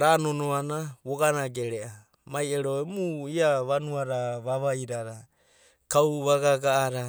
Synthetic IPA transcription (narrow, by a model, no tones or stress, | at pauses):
ɾanonoanaβoɡanaɡeɾeʔa | majeɾoemuiaβanuaɾaβaβajɾaɾa | kawβaɡaɡaʔːɾa